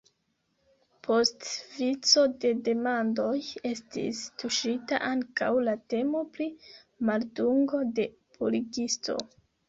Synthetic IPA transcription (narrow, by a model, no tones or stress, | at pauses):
pʰo̞stvit͡so̞de̞de̞mando̞je̞stḭstuʃita̰ʔaŋka̰wlate̞mo̞pli | malduŋɡo̞de̞ | pʰoliɡisto̞̰